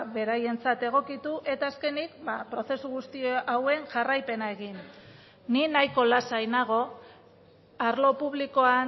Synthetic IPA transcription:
βe̞ɾaje̞nt͡sat̪e̞ɣ̞o̞kit̪uʔe̞t̪aːske̞nikbapɾo̞θe̞suɣust̪ioʔawe̞ŋʝarajpe̞nae̞ɣin | ninajko̞lasajnaɣ̞o̞ | aɾlo̞puβ̞liko̞a

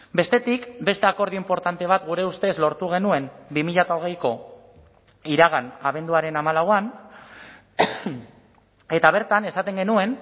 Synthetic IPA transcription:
be̞st̪e̞t̪ikbe̞st̪e̞ako̞ɾð̞iimpo̞ɾt̪ant̪e̞β̞at̪ɡuɾe̞ust̪e̞zlo̞ɾt̪uɣ̞e̞nue̞mbimiʎat̪aoɣ̞e̞jko̞ | iɾaɣanaβe̞nd̪uaɾe̞namalawan | e̞t̪aβ̞e̞ɾt̪ane̞sat̪e̞ŋɡe̞nue̞n

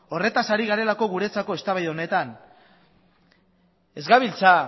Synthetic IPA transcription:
o̞re̞t̪asaɾiɣ̞aɾe̞lako̞ɣuɾe̞t͡sako̞e̞st̪aβajðeo̞ne̞t̪an | e̞zɣaβilt͡sa

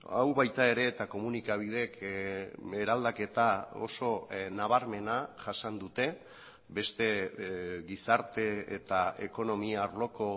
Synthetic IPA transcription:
a̰wβajt̪ae̞ɾe̞ːt̪ako̞munikaβ̞ið̞e̞k | eɾald̪ake̞t̪ao̞̰so̞naβ̞aɾme̞naʝasand̪ut̪e̞ | be̞st̪e̞ | ɣisaɾt̪e̞ḛt̪ae̞ko̞no̞miaɾlo̞ko̞

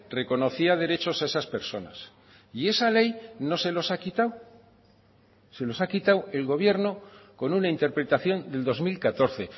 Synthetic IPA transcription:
re̞ko̞no̞θiað̞e̞ɾe̞t͡ʃo̞sae̞saspeɾso̞na̰s | ie̞sale̞jno̞se̞lo̞sakit̪aw | se̞lo̞sakit̪awe̞lɣo̞β̞je̞ɾno̞ko̞nunaint̪e̞ɾpɾe̞t̪aθjo̞nd̪e̞ld̪o̞zmilkat̪o̞ɾθe̞

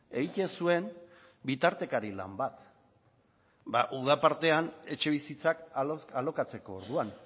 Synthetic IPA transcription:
e̞ɣit̪e̞nsue̞m | bit̪aɾt̪e̞kaɾila̰mbat̪ | baʔuð̞apaɾt̪e̞ane̞t͡ʃe̞β̞isit͡sakalo̞kat͡se̞ko̞ːɾð̞uan

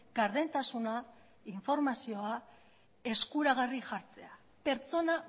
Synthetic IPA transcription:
ɡ̥aɾðe̞nt̪asuna | iɱfo̞ɾmasio̞a | e̞skuɾaɣariʝaɾt͡se̞a | pe̞ɾt͡so̞na

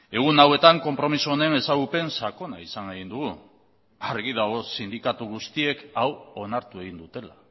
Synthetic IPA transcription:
e̞ɣ̞unawe̞t̪aŋko̞mpɾo̞misuone̞ne̞saɣupe̞nsako̞naisaŋɡeɣind̪uɣu | arɣið̞aosind̪ikat̪uɣ̞ust̪ie̞kawo̞naɾt̪ue̞ɣ̞ind̪ut̪e̞la̰

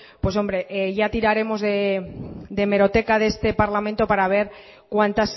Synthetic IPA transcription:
pwe̞so̞mbɾe̞ʔeʝat̪iɾaɾe̞mo̞zðe | d̪e̞me̞ɾo̞t̪e̞kaðest̪e̞paɾlamẽnt̪o̞paɾaβ̞e̞ɾ | kwant̪as

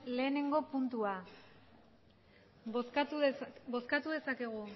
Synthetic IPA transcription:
le̞ːne̞ŋɡo̞punt̪ua | s | boskat̪uðe̞sake̞ɣ̞u

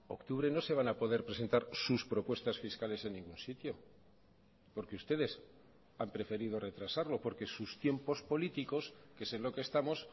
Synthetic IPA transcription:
o̞̰kt̪uβ̞ɾe̞no̞se̞β̞anapo̞ðe̞ɾpɾe̞s̬e̞nt̪aɾsuspɾo̞pwe̞st̪asfiskale̞se̞nːĩŋɡunsit̪jo̞ | po̞ɾkeust̪e̞ðe̞s | ampɾe̞fe̞ɾiðo̞re̞t̪ɾasaɾlo̞po̞ɾke̞sust̪je̞mpo̞spo̞lit̪iko̞skese̞nlo̞kest̪amo̞s

